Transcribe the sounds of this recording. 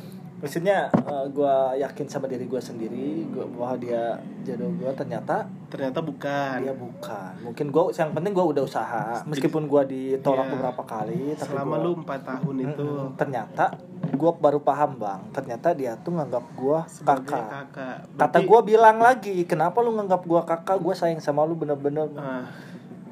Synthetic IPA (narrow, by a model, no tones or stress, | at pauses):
mist̪it̪ɲaəɡuajakɪnsamadaɾiɡuasəndiɾiɡuawaɦadiad͡ʒadɔhɡuat̪ərɲat̪a | t̪ərɲat̪abukandiabukanmuŋkɪnɡuasəjaŋpənt̪ɪŋɡuaudahusaɦaməskipʊnɡuadit̪olak̪̚bəbəɾapakalit̪apimaluəmpat̪ːaɦʊniut̪ərɲat̪a | ɡuabaɾupaɦamba̰ŋt̪ərɲat̪adiat̪uŋaŋɡap̚ɡua | kakaaka | at̪aɡuabilaŋlaɡikənapalʊŋaŋɡap̚ɡuakakaɡuasajɪŋsamalʊbənərbənər